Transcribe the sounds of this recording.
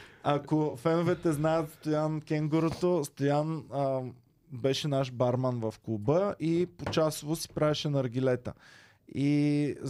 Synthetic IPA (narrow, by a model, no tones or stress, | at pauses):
akofɛnovɛt̪ɛznajət̪st̪ojankʲɛŋɡoɾot̪ost̪ojanə | bɛʃɛnaʃbaɾmanvɐfkˠubəipot͡ʃasʊvosi̥pɾaviʃɛnɐɾɡʲilɛt̪ə̰ | i